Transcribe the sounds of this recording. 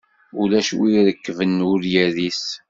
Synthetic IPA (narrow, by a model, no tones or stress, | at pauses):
ulæʃwiɾəkːvənʊɾjæðis